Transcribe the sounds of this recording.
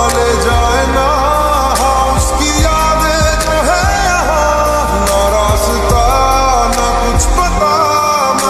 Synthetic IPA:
led͡ʒaːena | ɦã | ʊskijaːd̪e | t̪oɦɛ | jɐɦã | naːɾaːsɪt̪a | nakʊt͡ʃʰpɐt̪a | n

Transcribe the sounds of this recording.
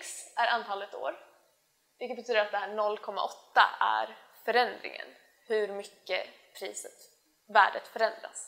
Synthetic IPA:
ksæɾʔant̪ʰɑːlət̪o̰ːɾ | vɪlkət̪bɛt̪yːd̪əɾat̪̚ɛhæːɳɔlːkʰɔmːa̰ʔɔt̪ːa̰æɾfœɾɛnd̪ɾɪ̰ŋə̰n | hɵɾmʏkːəpʰɾiːsət̪ | væ̰ːɖət̪fœɾɛnd̪ɾa̰s

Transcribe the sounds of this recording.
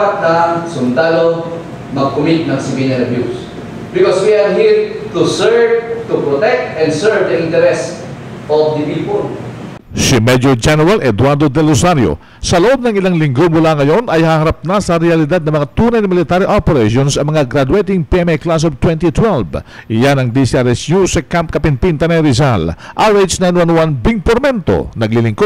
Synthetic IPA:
at̪̚nɐsʊnd̪alo | mɐɡ̚kʊmit̪̚nɐŋsɪbinɐnɐbjus | bɪkɔswiadɦiɹt̪usɛɹvt̪upɹot̪ɛk̚t̪ɛ̃nd̪sɛɹvd̪ɐʔĩnt̪ɛɾɛs | ʔɔvd̪ɐpipol | simɛd̪jod͡ʒɛnɛɾalʔɛd̪waɾd̪od̪ɛlosaɾjo̰ | sɐloʔo̞b̚nɐŋɪlaŋlɪŋɡomulaŋɐjo̞nɐjhahɐɾap̚nasɐɾɛɐlɪd̪ad̪nɐmɐŋat̪uːnɐjnɐmɪlɪt̪aɾiʔopɛɾeʃonsɐŋmɐŋaɡɾad̪uwejt̪ɪŋpiɛmɛklas̬ovt̪wɛnt̪it̪wɛlb | ʔɪjanɐŋd̪isiʔɛɾɛsnusɐkamp̚kɐpɪnpint̪ɐnɐjɾɪzalʔaɾejd͡ʒnajnwanwanbiŋpoɾmɛnt̪o̰nɐɡ̚lilɪŋkod̪̚

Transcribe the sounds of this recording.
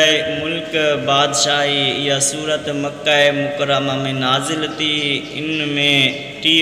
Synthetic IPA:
mʊlkbaːd̪ʃaːɦiɪjasuːɾət̪mɐkːaːemʊkəɾəmamẽnaːzɪlt̪iɪnmẽ | ʈiː

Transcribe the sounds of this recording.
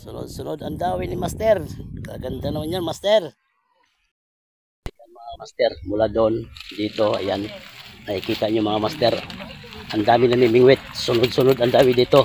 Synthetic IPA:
sʊnʊ̰d̪̚sʊnod̪ɐnd̪aːwinimast̪ɛrka̰ɡant̪anoɲanmast̪ɛr | tik̪aŋmɐŋamast̪ɛrmulad̪oʔnd̪iːt̪oa̰janaikiːt̪aʔɲomɐŋamast̪ɛɾʔand̪aːmɪnamimɪŋwɪt̪̚sʊnʊd̪̚sʊnʊd̪and̪aːwɪd̪iːt̪o

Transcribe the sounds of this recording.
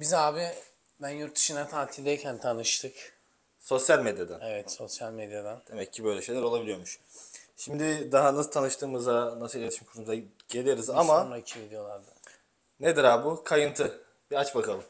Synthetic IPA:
bizaːbi | bænjuɾt̪̚d̪ɯʃɯnat̪ʰaːt̪ʰilʲd̪ejcʰænt̪ʰanɯʃt̪ʰɯk | so̞sjalʲme̞d̪jad̪anevɛt̪so̞sjalʲmed̪jad̪and̪̥e̞mɛcʰːibø̞jlʲeʃe̞jlʲæɾo̞lˠabilʲijo̞ɾmuʃʃimd̪ɪd̪aɦanasɯ̥t̪ʰanɯʃt̪ɯːmɯzanasɯeet̪ʰiʃimkʰuɾumza | ɟ̥e̞lʲijoɾizamanaicʰimid̪ʲijo̞lˠaɾd̪a | ned̪iɾaːbukʰajɯnt̪ʰɯ | biat͡ʃbakʰalˠɯm

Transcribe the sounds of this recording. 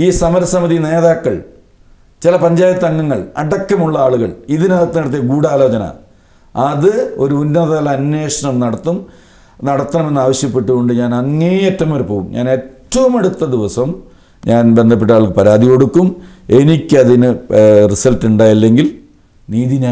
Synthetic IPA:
iːsɐmɐɾɐsɐmɐðine̞ːðaːkːɐɭ | t͡ɕilɐpɐɲd͡ʑaːjɐt̪ːɐŋːɐŋːɐɭɐ̰ɽɐkːɐmuɭːɐaːɭuɣɐɭiðinaɐt̪ːɐnɐɽɐt̪̬ːijɐɡuːɽaːlo̞ːt͡ɕɐnɐ̰ | ɐðɨo̞ɾuunːɐðɐlɐɐnːwe̞ːʂɐɳɐmnɐɽɐt̪ːum | nɐɽɐt̪ːɐnɐmenːaːʋɐɕjɐpːe̞ʈːuɣo̞ɳɖɨɲaːnɐŋːejetːɐmmoɾupo̞ːɣumɲʔa̰ːne̞ːtːɐʋɐmeɽut̪ːɐd̪iʋɐsɐm | ɲaːnbend̪ʱɐpːeʈ̬ːaːɭɣɐpɐɾaːd̪iko̞ɽukːum | e̞nikʲːɐðinɨrisɐltuɳɖaːjɐlːe̞ŋɡil | niːðina

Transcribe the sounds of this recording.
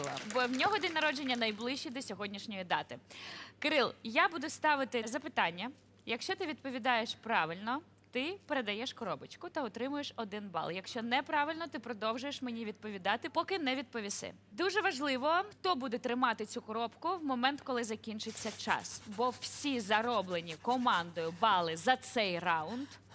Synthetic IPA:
lˠɐ̰bɔwnʲɔɦɔd̪ʲinʲɐɾɔd͡ʒenʲːɐnɐjblˠɪʃt͡ʃːid̪ɔsʲɔɦɔdʲnʲiʃnʲɔjid̪ɑt̪ɪkɪɾɪlˠjabud̪ʊst̪ɑʋɪt̪ɪzɐpɪt̪ɑnʲːɐ | jɐkʃt͡ʃɔt̪ɪʋʲid̪̚pɔʋʲid̪ɑjeʃpɾɑʋɪlʲnɔ | t̪ɪpeɾed̪ɐjɛʃkɔɾɔbɪt͡ʃkʊt̪ɐɔt̪ɾɪmʊjeʃɔd̪ɪnbɑ̰lˠjɐkʃt͡ʃɔnɛpɾɑʋɪlʲnɔt̪ɪpɾɔd̪ɔwʒʊjeʃmenʲiʋʲid̪̚pɔʋʲid̪ɑt̪ɪpɔkɪnɛʋʲid̪̚pɔʋʲisɪ̰ | d̪uʒɛʋɐʒlˠɪʋɔxt̪ɔbud̪ɛt̪ɾɪmɑt̪ɪt͡sʲukɔɾɔpkʊʋmɔmɛnt̪kɔlˠɪzɐkʲinʲt͡ʃɪt͡sʲːɐt͡ʃɑ̰sbɔwsʲizɐɾɔblˠenʲikɔmɑnd̪ɔjʊbɑlˠɪzɐt̪sɛjrɑʊnd̪

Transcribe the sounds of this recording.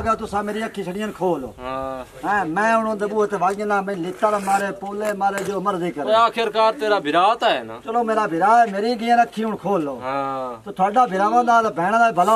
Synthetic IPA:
ɡaːt̪ʊsãːmeːɾiːəkʰːiːsʰəɽɪjankʰoːlo̰ː | ɛ̃ːmɛ̃ːʊñːd̪əbuːt̪eːʋaːɡẽlãːmə̃ːlɪt̪aːɾːmaːɾeːpoːleːmaːɾeːd͡ʒoːməɾziːkəɾaːkʰɪɾkaːɾt̪eːɾaːbʱɪɾaːt̪aːt͡ʃəloːmeːɾaːbʱɪɾaːɛːmeːɾiːɡɪjãːnəkʰːiːʊɳkʰoːloːt̪eːt̪ʰʊaːɖaːbʱɪɾaːʋãːnd̪aːt̪ːbʱɛːɽ̃ãːd̪aːbəlaː

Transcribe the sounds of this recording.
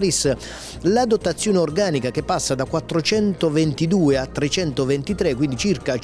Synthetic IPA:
ɾis | lad̪ot̪ːat̪sːjoːneorɡaːnikak̟epːasːad̪akwat̪ːɾot͡ʃɛnt̪ovent̪id̪uːeat̪ːɾet͡ʃɛnt̪ovent̪it̪ɾekːwind̪it͡ʃirka

